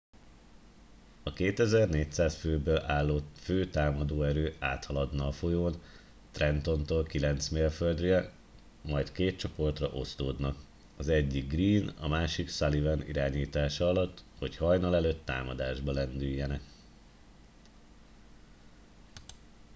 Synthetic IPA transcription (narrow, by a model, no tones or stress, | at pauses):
ɒkeːt̪ɛzɛrneːc̚t̪saːsføːbøːlʔalːoføːt̪aːmɒd̪oːɛɾøːaːt̪hɒlɒd̪nɒːfo̞joːn | t̪rɛnt̪o̞nt̪oːlkilɛnt̪smeːlføld̪ɾyjɛ | mɒjt̪keːt̪t͡ʃo̞po̞rt̪rɒ̰ʔo̞st̪oːd̪nɒk | ɒzɛɟːiɡ̚riːnɒ̰maːʃiksɒlivɛnḭɾaːɲiːt̪aːʃɒɒlɒt̪ːho̞chɒjnɒlɛløːt̪ːa̰ːmɒd̪aːʒbɒlɛnd̪yjːɛnɛk